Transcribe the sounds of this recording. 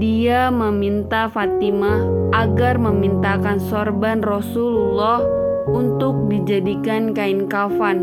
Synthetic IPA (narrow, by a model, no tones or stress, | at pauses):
diaməmint̪afat̪imaʔaɡarməmint̪akansɔrbanrɔsululɔhunt̪ʊk̚did͡ʒadikankainkafan